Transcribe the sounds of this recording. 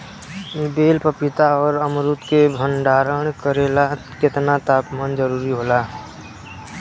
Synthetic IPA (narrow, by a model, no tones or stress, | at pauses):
ibeːlpəpɪt̪aɔːɾəmɾʊt̪kebʱəɳɖaːɾəɳ̃kəɾelat̪kɪt̪nat̪aːpmaːnd͡ʒəɾuːɾiɦoːlaː